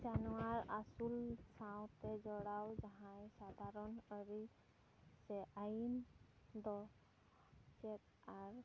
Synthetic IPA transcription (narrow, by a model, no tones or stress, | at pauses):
d͡ʒanɔwaɹasulsãw̃t̪ɛd͡ʒɔɽawd͡ʒaɦãjsad̪ʱaɾɔnəɾi | sɛʔajind̪ɔ | t͡ʃɛt | aɹ